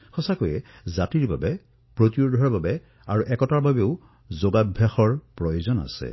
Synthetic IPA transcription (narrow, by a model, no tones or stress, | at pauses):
xɔsakojɛ | zatiɹbabɛ | pɹotjudʱɔɹbabɛ | aɹuʔɛkɔtaɹbabɛʊ | zoɡabʱjaxɔɹpɹɔjozɔna̰sɛ̰